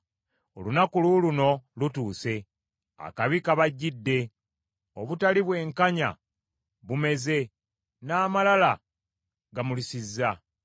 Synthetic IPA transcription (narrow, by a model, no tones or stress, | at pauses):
o̞̰lunakululuno̞lutuːse̞ | a̰kaβikaβaɟːidːe̞ | o̰βutaliβwe̞ːŋkaɲa̰ | βume̞ze̞ | naːmalala | ɡamulisizːa